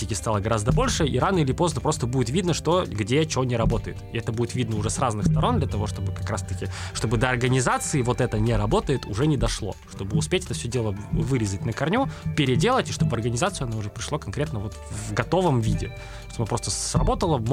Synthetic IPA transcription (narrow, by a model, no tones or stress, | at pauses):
ɪkʲɪst̪alˠəɡɐɾazd̪əbo̞lʲʂɨiɾanəɪlʲɪpo̞znəpɾo̞st̪əbudʲɪt̪vʲid̪nəʂt̪oɡdʲet͡ɕɪonʲɪɾɐbo̞t̪əɪt̪ɪɛt̪əbudʲɪt̪vʲid̪nəʊʐɛsraznɨxst̪ɐɾo̞nd̪lʲət̪ɐvo̞ʂt̪o̞bɨkɐkɾast̪əkʲɪʂt̪o̞bɨd̪əɐrɡənʲɪzat̪sɨɪvo̞t̪ɛt̪ənʲɪɾɐbo̞t̪əjɪt̪ʊʐɛnʲɪd̪ɐʂlˠo̞̰ʂt̪o̞bɨʊspʲetʲɛt̪əfsʲɵdʲelˠəvɨɾʲɪzət̚ʲnəkɐrnʲupʲɪɾʲɪdʲelˠətʲɪʂt̪obəɐrɡənʲɪzat̪sɨɐnaʊʐɛpɾʲɪʂlˠokɐnkɾʲe̞t̪nəvo̞t̪vvɡɐt̪o̞vəmvʲidʲɪ̰ | t̪obmɨpɾost̪əsrɐbo̞t̪əlˠəm